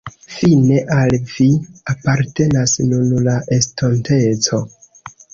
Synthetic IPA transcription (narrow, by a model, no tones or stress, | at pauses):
fine̞ʔalviapaɾte̞nasnunlaʔe̞stonte̞t͡so̞